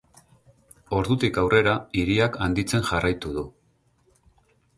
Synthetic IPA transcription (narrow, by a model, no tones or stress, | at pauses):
o̞ɾðut̪ikawrʔe̞ɾaiɾiakand̪it͡se̞nʝarajt̪uðu